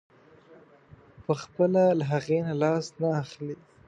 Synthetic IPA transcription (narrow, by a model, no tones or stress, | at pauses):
pəxpəlalaɦaɣenalɑsnaːxli